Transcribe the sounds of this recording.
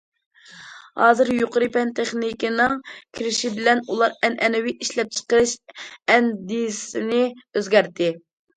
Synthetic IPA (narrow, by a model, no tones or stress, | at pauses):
hɑ̰ːzɨɾjoqʊɾɨpɛnt̪ʰeχnikʲinɨŋkʲʰiɾɪʃibɪlɛnulˠɑɾɛnʔɛnwiʔiʃlɛp̚t͡ʃʰə̥qəɾɨʃɛnd̪isɪnɪøzɡʲɛɾt̪ʰɪ